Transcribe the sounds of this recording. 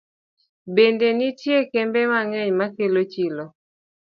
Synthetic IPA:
bendenitjekɛmbɛmaŋɛɲmakelot͡ʃilo

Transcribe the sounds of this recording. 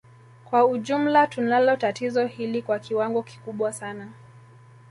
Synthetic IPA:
kwauʄum̩latunalɔtatizɔhilikwakiwaŋɡɔki̥kuɓwasana

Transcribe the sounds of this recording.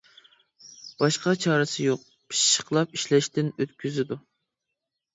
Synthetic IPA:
bɑʃqɑt͡ʃʰɑːɾɨsɨjoq̚ | pʰi̥ʃʃə̥qʰlˠɑpiʃlɛʃt̪ɪnøt̪kʲʰyzɪd̪u

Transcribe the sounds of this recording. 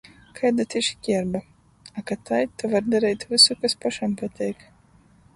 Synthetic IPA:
kʰajd̪at̪ʲiʃkʲiɛɾba | akat̪ajt̪uvaɾd̪aɾɛjt̪ʲvɨsukaspaʃampat̪ʲɛjk

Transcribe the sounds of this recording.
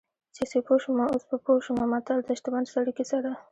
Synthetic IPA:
sesepoʃumaospəpoʃumamat̪ald̪əʃt̪awand̪saɽikisaɾa

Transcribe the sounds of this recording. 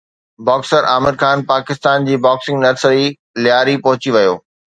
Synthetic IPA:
baːksəɾʔaːmɪd̪xaːnpaːkɪst̪aːnd͡ʑiːbaːksɪ̃ŋɡnɐɾsəɾi | lɪjaːɾipɐɦʊt͡ɕiʋɐjoː

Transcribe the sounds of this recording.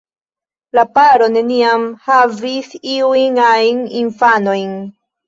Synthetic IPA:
lapaɾo̞ne̞niamhavisiujnajninfano̞jn

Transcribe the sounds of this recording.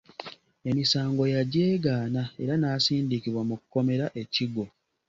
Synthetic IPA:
e̞misaːŋɡo̞jaɟe̞ːɡaːnae̞ɾanaːsiːndikiβwamukuko̞me̞ɾaʔe̞ciɡo̞

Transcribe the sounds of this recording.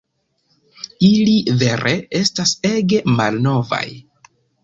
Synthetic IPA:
ilive̞ɾʔee̞stase̞ɡe̞malno̞va̰j

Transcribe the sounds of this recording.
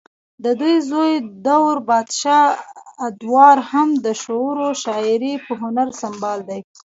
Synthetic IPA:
d̪əd̪ujzojd̪awɾbɑd̪ʃɑ | d̪wɑɾhamd̪əʃoɾoʃɑɪɾipəɦʊnaɾsambɑld̪aj

